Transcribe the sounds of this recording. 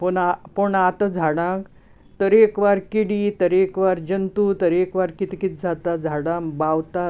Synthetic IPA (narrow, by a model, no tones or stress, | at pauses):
pəɳapəɳat̪əd͡zʱaɽãk | t̪əɾekʋaɾkiɽit̪əɾekʋaɾd͡ʑənt̪ut̪əɾekʋaɾkit̪ikit̪̚d͡zʱat̪ad͡zʱaɽãmbawt̪a